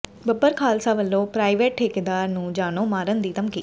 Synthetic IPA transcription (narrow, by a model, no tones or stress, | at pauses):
bəbəɾkʰaːlsaːʋəlːõːpɾaːiʋeːʈʈʰeːked̪aːɾnũːd͡ʒaːɽ̃oːmaːɾənd̪iːt̪əmkiː